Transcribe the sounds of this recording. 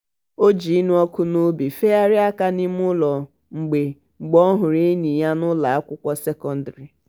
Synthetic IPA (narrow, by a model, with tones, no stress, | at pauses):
o˦d͡ʒi˨i˦nu˦ɔ˦kʊ˦nʊ˦bi˨fe˦a˦ɾɪ˦a˦ka˦ni˦m˦ʊ˦lɔ˨ | ŋ͡m̩˨ɡ͡be˨ | ŋ͡m̩˨ɡ͡bɔ˦ɦʊ˨ɾe˦ni˨ja˦nʊ˦la˨a˦kʷʊ˦kʷɔ˦se˦kɔ˦n˦da˨ɾi˨